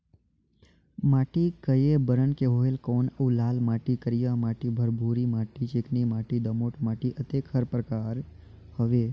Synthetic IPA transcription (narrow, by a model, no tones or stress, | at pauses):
maːʈikəjebəɾənkeɦoːelkoːnəlaːlmaːʈikəɾijamaːʈibʱəɾbʱuːɾimaːʈit͡ʃeːknimaːʈid̪ɐmoːʈmaːʈiʔət̪eːkhəɾpɾəkaːɾ | həʋeː